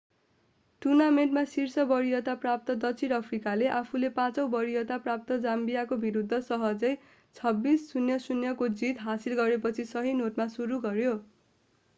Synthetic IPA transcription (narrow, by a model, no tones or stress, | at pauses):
ʈunamenʈmasirsʌbʌɾijʌt̪aprap̚t̪ʌd̪ʌt͡sʰiɾʌpʰrikaleʔapʰulepãt͡sʌwbʌɾijʌt̪aprap̚t̪ʌd͡zambijakobiɾud̪ʱːʌsʌɦʌd͡zʌj | t͡sʰʌbːisːunjʌsunjʌkod͡zit̪ɦasilɡʌɾepʌt͡sʰisʌɦinoʈmasuɾuɡʌɾjo